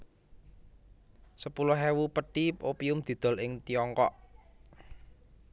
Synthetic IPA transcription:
səpulʊɦewupəʈiopiʊmd̪̥i̤d̪̥ɔ̤lɪŋt̪iɔŋkɔʔ

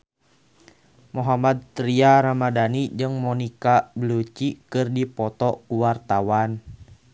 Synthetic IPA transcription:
mɔɦamad̪̚t̪ɾiaɾamadanid͡ʒɨŋmɔnikablut͡ʃikɨrdipɔt̪ɔkuwart̪awan

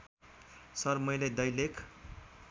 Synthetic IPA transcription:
sʌrmʌjled̪ʌjlekʰ

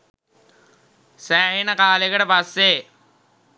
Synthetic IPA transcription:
sæːɦinəkaːlekəʈəpasːe

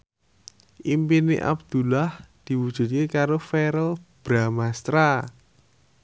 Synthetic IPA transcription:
ʔimpineʔa̰b̚d̪̥ulahd̪̥i̤wud̥ʒ̥ṳt̪̚kekaɾofɛɾɔb̥ɾamast̪ɾa

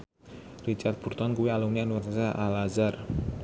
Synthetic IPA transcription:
rit͡ʃart̪̚b̥ṳrt̪ɔnkuwialuŋnianuwart͡ʃaʔalazar

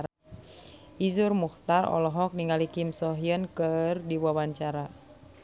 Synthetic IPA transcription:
ɾ | ʔizurmuht̪arɔ̰lɔɦɔk̚niŋalikimsɔɦjənkɨrdiwawaɲt͡ʃaɾa

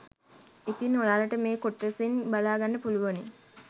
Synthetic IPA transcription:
it̪inojaːləʈəmeːkoʈrəsenbalaːɡanːəpuluʋəni

